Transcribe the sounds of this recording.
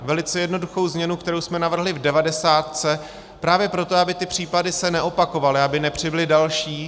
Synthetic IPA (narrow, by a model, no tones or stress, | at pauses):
vɛlɪt͡sɛjɛdno̞duxo̞wzmɲɛnukt̪ɛɾowsmɛnavr̩ɦlɪvdɛvadɛsaːt̪̚t͡sɛ | pɾaːvjɛpɾo̞t̪oabɪt̪ɪpr̝̥iːpadɪsɛnɛʔo̞pako̞valɪabɪnɛpr̝̥ɪbɪlɪdalʃiː